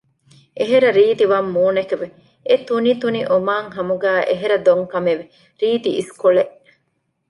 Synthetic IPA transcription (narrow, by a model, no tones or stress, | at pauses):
ʔeɦeɾɐɾiːt̪iʋɐmːuːnekeʋe | et̪unit̪uniʔomaːŋɦɐmuɡæːʔeɦeɾɐd̪oŋkɐmeʋe | ɾiːt̪iʔiskoɭeʔ